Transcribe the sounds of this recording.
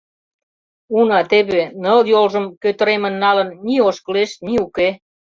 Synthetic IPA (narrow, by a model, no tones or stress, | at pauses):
unɑt̪eβenəljolʒəmkøt̪əɾemə̆nːɑlə̆nːioʃkəleʃniuke